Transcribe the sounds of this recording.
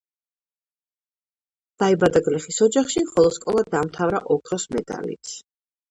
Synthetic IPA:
d̪̥aibad̪aɡlɛχisɔd͡ʒaχʃimχɔlˠɔd̪̥skʼɔlˠad̪̚ːamt̪ʰavɾa̰ʔɔkʰɾɔsmɛd̪a̰lḭt̪s

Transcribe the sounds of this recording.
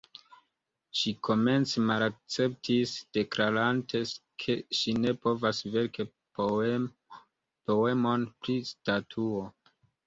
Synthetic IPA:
ʃikʰo̞me̞nt͡semalak̚t͡se̞p̚tʰisd̥e̞kɾaɾantʰe̞kʰe̞ʃine̞po̞vasve̞ɾke | po̞e̞mo̞npɾistatʰuo̞

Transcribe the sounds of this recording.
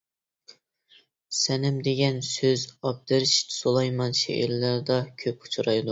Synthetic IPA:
sɛnɪmd̪eɡʲɛnsøzɑp̚d̪ɪɾɪʃi̥t̪ʰɪ̥solˠɑjmɑnʃḛʔɪ̰ɾlæɾd̪ɑkʲʰøp̚ʰu̥t͡ʃʰuɾɑjd̪ˠu

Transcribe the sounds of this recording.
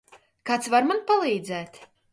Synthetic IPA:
kat̪svaɾmanpalˠiːd̪zɛːt̪

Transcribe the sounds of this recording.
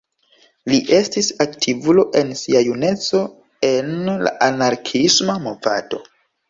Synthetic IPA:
liʔe̞stisaktʰivulo̞ʔe̞nsiajune̞t͡so̞ | enla̰ʔanaɾkʰismamova̰to̞

